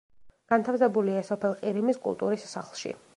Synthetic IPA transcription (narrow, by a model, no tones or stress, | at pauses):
ɡ̥ant̪ʰafsɛbuliasɔpʰɛlˠqʼiɾimiskʼṵlˠt̪ʼṵɾisːaχlˠʃḭ